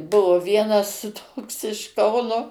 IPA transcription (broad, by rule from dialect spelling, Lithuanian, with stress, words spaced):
ˈbʊʋoː ˈʋʲiɛnɐs ˈtoːks ɪʃ ˈkɐʊnoː